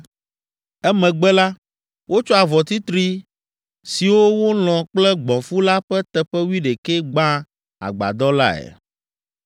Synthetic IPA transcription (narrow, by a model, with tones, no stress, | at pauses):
ɛ˦mɛ̃˨ɡ͡bɛ˦la˦ | wo˦t͡ʃɔ˦a˨vɔ˨t̪i˦t̪ɾi˦ | si˨wo˦wo˦lɔ̃˨k͡plɛ˦ɡ͡bɔ̃˨fu˦la˦ɸɛ˦t̪ɛ˨ɸɛ˦wi˦ɖe˨kɛ˦ɡ͡bã˦ | a̰˨ɡ͡ba̰˨d̪ɔ˦la˦ɛ̰˨